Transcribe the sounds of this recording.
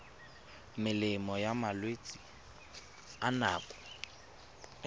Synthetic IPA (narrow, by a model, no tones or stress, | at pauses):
mɪlɪmɔjamalwet͡sʼi | anaːkʼɔ̥